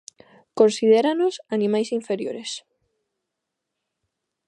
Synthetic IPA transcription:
kõnsið̞eɾanosanĩmajsiɱfeɾjoɾes

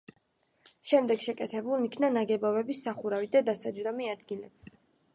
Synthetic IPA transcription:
ʃɛmd̪ɛɡʃɛkʼɛt̪ʰɛbulˠnikʰnanaɡɛbɔvɛbisːaχuɾavid̪ad̪asad͡ʒɾd̪ɔmiad̪ɡilɛbi

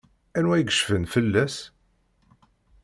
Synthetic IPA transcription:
ænwæjɡəʃfənfəlːæs

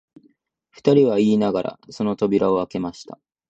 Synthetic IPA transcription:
ɸɯ̟̥t̪aɾʲiβaiːnaɡaɾʔa̰so̞no̞t̪o̞bʲiɾao̞ake̞maɕi̥t̪a

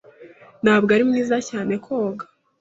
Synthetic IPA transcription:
nhaːbɡaɾimniːzacaːne̞kʰoːɡḁ

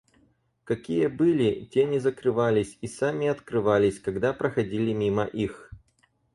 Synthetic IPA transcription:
kɐkʲijəbɨlʲɪtʲenʲɪzəkɾɨvalʲɪsʲisamʲɪɐt̪kɾɨvalʲɪsʲkɐɡd̪apɾəxɐdʲilʲɪmʲimə̰ʔix

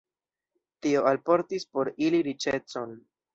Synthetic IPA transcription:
tio̞alpo̞ɾtispo̞ɾiliɾit͡ʃe̞t͡son

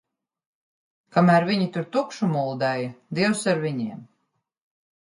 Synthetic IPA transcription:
kamæːɾvʲiɲit̪uɾt̪ukʃumulˠd̪ɛjd̪iɛwsaɾviɲiɛm

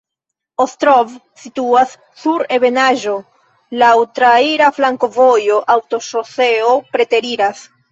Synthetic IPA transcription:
ostɾov | situasː | uɾe̞be̞naʒo̞ | lawtɾaiɾaflaŋko̞vo̞jo̞ʔawto̞ʃo̞se̞opɾe̞te̞ɾiɾas

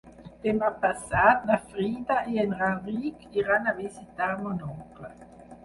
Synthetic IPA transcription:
d̪̥emapasaːd̪nafʁiːd̪aʔeɛnʁaʁiːkiʁanavizit̪amonɔklə

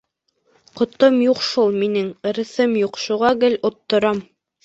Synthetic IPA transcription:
qŏt̪omjuqʃulˠminɘŋɘ̆ɾɘ̆θɘmjuqʃuʁɑɡɘlŏt̪ːŏɾɑm

